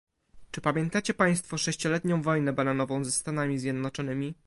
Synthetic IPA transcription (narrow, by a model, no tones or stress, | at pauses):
t͡ʂɘpamʲjɛnt̪at͡ɕɛpaj̃st̪fɔʂɛɕt͡ɕɔlɛt̪ɲɔ̃w̃vɔjnɛbananɔvɔ̃w̃zɛst̪anamʲizʲjɛd̪nɔt͡ʂɔnɘmʲi